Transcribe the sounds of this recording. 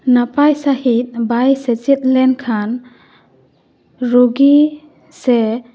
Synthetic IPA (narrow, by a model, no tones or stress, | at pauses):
napajsahit̪̚bajset͡ʃit̚lɛnkʰan | ɾoɡi | se